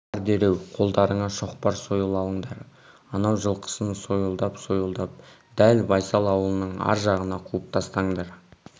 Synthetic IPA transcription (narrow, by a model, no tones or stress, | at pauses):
ɾd̪e̞ɾe̞wqʰo̞lˠd̪ɑɾəɴɑʃo̞qpɑɾso̞jəlˠɑlˠəɴd̪ɑɾ | ɑnɑwʒəlˠqʰə̥sənso̞jəlˠd̪ɑpso̞jəlˠd̪ɑp̚ | d̪̥ælbɑjsɑlˠɑwəlˠənəɴɑ̰ɾʒɑʁənɑqʰuəp̚t̪ʰɑst̪ɑɴd̪ɑɾ